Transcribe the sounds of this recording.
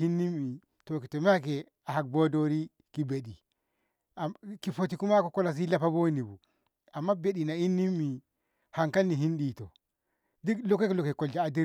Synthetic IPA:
i˦nːi˦mːi˨ | to˨ki˨tɔ˨ma˦k̬ɛ˨ | a˨ha˨k̚bo˦do˦ɾi˦ | ki˨be˨ɗi˨ | ki˨fo˨t̬i˨ku˦ma˦kɔ˨kɔ˦la˨s̬i˦la˦pa˦bo˦ni˨bu˨ | a˨mːa˦be˦ɗi˨na˨i˦nːi˦mːi˨ | ha˨ŋka˦nːi˨ɦi˦nɗi˨tɔ˨ | di˦lɔ˦kːe˦ki˦lɔ˨kːe˨kɔ˨ld͡ʒa˨a˨di˦

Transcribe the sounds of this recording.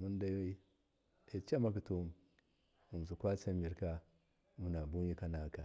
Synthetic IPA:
mu˦n˦da˦ji˦ | e˨t͡ʃa˦ma˦k̬i˨tu˦m | mu˨m˨su˨kʷa˦t͡sa˦mi˨ɾka˦ | mu˨na˨bu˦i˦ka˦na˨ka˨

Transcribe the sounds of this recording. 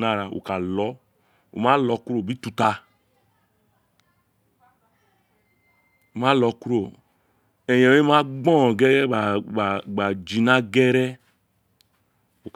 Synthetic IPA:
na˦˨ɾa˧o̰˨ka˨lɔ˨˦ | ṵ˨ma˦lɔ˧ku˦ɾo˦˨bi˦tu˧ta˧ | o˨ma˦lɔ˧ku˦ɾo˨ | ɛ˨jɛ˨˦e˦ma˦ɡ͡bɔ̃˦˨ɡɛ˦ɾɛ˦a˨ɡ͡ba˨d͡ʒi˨na˦ɡɛ˦ɾɛ˦ | o˨k

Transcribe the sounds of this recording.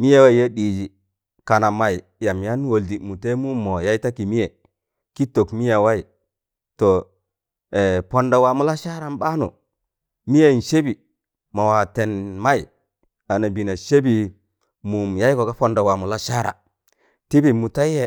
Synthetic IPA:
mi˦ja˦˨wa˦i˨ja˦ɗi˨d͡ʒi˨ | ka˨na˨ma˨i˨ | ja˨mja˦nwo˨ldi˨mu˨te˦mu˦mo˨ja˦i˦ta˦ki˨mi˦e˨ | ki˦to˨kmi˦ja˨wa˦i˨ | to˨ | e˨po˨nda˨wa˨mu˦la˦ʃa˦ɾa˨m˦ba˦no̰˨ | mi˦je˦i˨n˨ʃe˦bi˨ | ma˨wa˨te˨nma˦i˨ | a˨na˨bi˨na˨ʃe˦bi˨ | mu˨mja˦i˦ko˨ka˦po˨nda˨wa˨mu˨la˦ʃa˦ɾa̰˨ | ti˦bi˨mu˨ta˦i˦e˦

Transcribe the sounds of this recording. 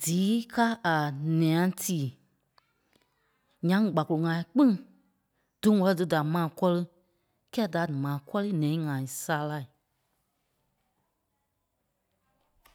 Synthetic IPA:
d̥iː˨˦kaː˦a˨nɛ̃˨ã˧˦tiː˨ | ɲã˧˦ŋ˨ɡ͡ba˨ko˨o˨ŋã˨ĩ˦k͡pĩ˦ŋ | d̥ɨ̃˦wɔ˧lɔ˧dɨ˧da˨mãː˨kɔ˦lə˦ | kɛː˦˨da˨mãː˨kɔ˦li˦nɛ̃˨ĩ˦ŋã˨ĩ˨saː˧˦la˧˨i˨

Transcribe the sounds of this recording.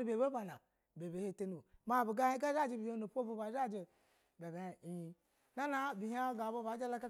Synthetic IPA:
u˦be˨be˦ba˨na˨ | be˨be˨he˦˨te˦nu˨bo˨ma˦˨bi˨ɡa˦hi˦ɡa˦za˦˨d͡ʒe˦bi˨ho˦nu˨pʷo˦vu˦˧ba˨˦za˦˨d͡ʒe˨ | be˨ba˨˦a˨i˨ji˨ | na˦na˦bi˨ha˦ɡa˨bo˦ba˨˦d͡ʒa˦la˦ka˦

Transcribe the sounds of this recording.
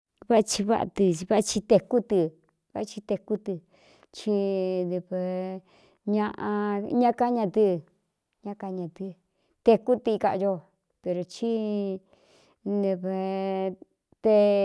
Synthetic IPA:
βa˦a˧t͡ʃi˧βa̰˦ʔa̰˧t̪ɨ˧βa˦˧t͡ʃi˧t̪e˧ku˦t̪i˧ | βa̰˦˧t͡ʃi˧t̪e˧ku˦t̪ɨ˧ | t͡ʃi˧d̪e˧βe˧ | ɲã˧ʔã˧ɲã˦ka˦ɲã˧t̪ɨ˦˨ | ɲã˦˧ka˧ɲã˧˨t̪ɨ˧ | t̪e˧ku˦t̪i˧ka˧jo˧ | pe˧ɾo˨t͡ʃi˦ | nde˧βe˧ | t̪e˦

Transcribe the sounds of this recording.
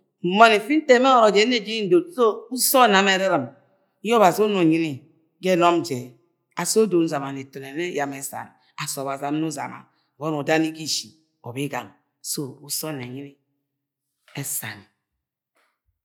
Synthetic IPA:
m̩˨mɔ˨ni˨fi˦n̩˦te˦me˦ɔ˨ɾo˨d͡ʒe˨˦ne˦˨d͡ʒe˦i˦n̩˦do˨tso˦u˦sɔ˦na˨me˦ɾi˦ɾə˨m˦ | o˦βa˨so˦no˨ɲi˦ni˦˨ | ɡe˦nɔ˦m˦d͡ʒe˨ | a˨so˦do˨˦n̩˦za˨ma˨ne˨to˨ne˨ne˦ja˨me˦sa̰˨n˨ | a˨so˨βa˨za˨m˦nu˦za̰˨ma̰˨ | wo˦no˨da˦ni˦ɡi˦ʃi˨ | o˨be˦ɡa̰˨ŋ | so˦u˦sɔ˦˨ne˨ɲi˦ni˦ | e˦sa̰˨ni˨

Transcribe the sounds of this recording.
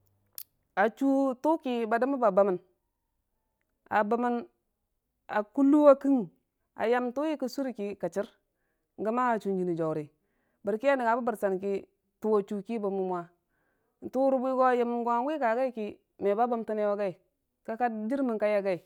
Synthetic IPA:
a˨t͡ʃu˦tu˦ki˨ba˨da˦ma˦ba˨ba˨mə˨n | a̰˨ba˨mi˦n | a˨ku˦lːu˦wa˦ki˦ŋ | a̰˨ja˦mtu˦ji˦kə˦su˦ɾi˦ki˨ka˨t͡ʃi˦ɾ | ŋ˦ɡa˦ma˦a˨t͡ʃu˨nd͡ʒi˨ni˨d͡ʒo˨wɾi˨ | bə˨ɾki˦a˦ni˨ŋa˨bu˦ba˨ɾsa˨nki˦ | tu˦a˨t͡ʃu˨ki˦ba˨mu˨mwa˨ | n̩˨tu˦ɾu˦bu˦i˦ɡo˦a˨ja˨m˨nɡo˦˨ɡi˦ka˨ɡa˦i˦ki˦ | me˨ba˦ba˦m˦ta˦ne˦wa˦ɡa˦i˨ | ka˦ka˦d͡ʒi˦ɾmi˨nka˦ja˦ɡa˦i˨

